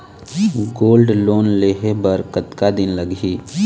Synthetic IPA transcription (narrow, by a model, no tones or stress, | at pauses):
ɡoːlɖloːnleːɦebəɾkət̪kad̪ɪnləɡiː